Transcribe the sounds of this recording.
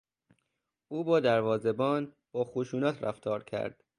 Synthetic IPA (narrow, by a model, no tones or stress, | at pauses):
uːbɒːd̪æɾvɒːzebɒːn | b̥ɒːxoʃuːnæt̪ʰɾæft̪ʰɒːɾcʰæ̰ɾd̪̥